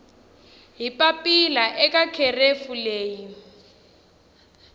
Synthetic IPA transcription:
ɦipʼapʼilaʔɛkʼakʰɛrefuleːji

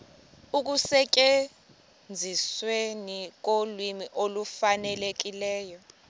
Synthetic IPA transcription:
uk̬usɛk̬ʼe | nd͡zʱiswenik̬olwimiʔolufanɛlek̬ilɛːjɔ

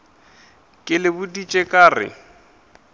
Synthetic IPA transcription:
kʼɪlɪbʊdit͡ʃʼɛkʼaːrɪ̰

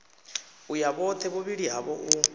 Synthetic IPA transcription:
ujaβɔt̪ʰɛβuβiɺiɦaβɔʔu

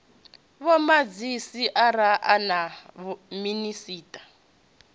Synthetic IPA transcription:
βɔmad͡zisiʔaɾaʔanaβminisiːtʼḁ

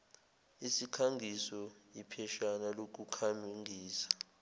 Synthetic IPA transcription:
isikʰaŋʱisɔipʰɛʃanalok̬ʼukʰamuŋɡʱiːsḁ

